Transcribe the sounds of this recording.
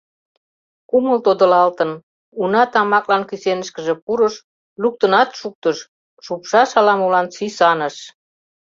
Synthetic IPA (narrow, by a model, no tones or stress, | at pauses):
kuməlt̪od̪əlɑlt̪ən | unɑt̪ɑmɑklɑnkysenəʃkəʒĕpuɾəʃ | luk̚t̪ənɑt̪ʃuk̚t̪əʃ | ʃupʃɑʃɑlɑmulɑnt͡sysɑnəʃ